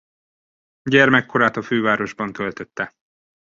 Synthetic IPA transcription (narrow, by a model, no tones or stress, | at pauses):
ɟɛrmɛkːo̞ɾaːt̪ɒføːvaːɾo̞ʒbɒnk̪ølt̪ø̞t̪ːɛ